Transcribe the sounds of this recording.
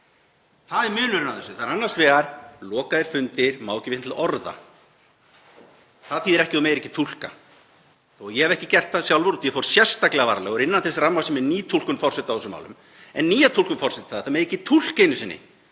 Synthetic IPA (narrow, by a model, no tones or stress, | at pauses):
θaðɛɾmʏːlʏɾɪnaθɛsːʏθaðnanːaɾ̥svɛːɣaɾ̥lɔːkaðɪɾ̥fʏnt̪ɪɾmaːwcɪvɪhnt̪lɔɾða̰ | θaðθiːðɛɾɛhcɪɔmeːjɾɛcːɪt̪ʰul̥ka | ɔjɛhɛvɛhcɪcɛr̥t̪asjawlvɔɾut̪jɛfowɾsjɛ̥st̪aklɛɣava̰ɾlɛːɣʏɾɪnːanθɛsramːasɛmɛɾniːt̪ʰul̥kʏnfɔrsɛt̪awθɛsʏma̰wlʏ̰m | ɛ̰nːiːjat̪ʰulkʏmfɔr̥ɛt̪ɪ̥θaðθamejɾɛcːɪt̪ʰul̥kejnʏsɪnːɪ̰